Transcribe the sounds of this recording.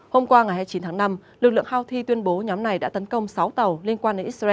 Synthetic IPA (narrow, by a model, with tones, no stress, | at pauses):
ho˧mkwaː˧ŋa˨˩jɦaː˧jt͡ɕi˨˦nt̪ʰaː˨˦˥na˧mlɨ˨˩k̚lɨ̰˧˨əŋhaː˧wt̪ʰi˧t̪wi˧ənɓo˨˦ɲɔ˨˦mna˨˩jɗa̰ː˧˥t̪ə˨˦nkə˧wŋ͡msa˨˦wt̪ə˨˩wli˧ənkwaː˧nɗe˧˨˦nʔi˦˥zaː˧